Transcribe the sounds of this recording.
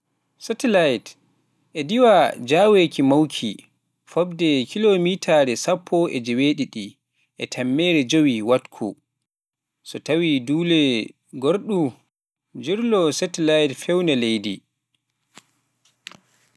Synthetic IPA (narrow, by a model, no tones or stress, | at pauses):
sɛtilajt | ʔɛdiwad͡ʒawekʰimawkʰi | fɔbdɛkʰilomitʰaɾɛsapʰːɔʔɛd͡ʒɛweɗiɗi | ʔɛtʰamːɛːɾɛd͡ʒowiwatkʰṵ | sɔtawiduːlɛ | ɡoɾɗu | d͡ʒiɾlɔsɛtilajtfɛwnɛlejdi